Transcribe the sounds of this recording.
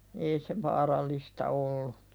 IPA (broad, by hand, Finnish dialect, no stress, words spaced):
ei se ʋɑːrɑlːistɑ olːu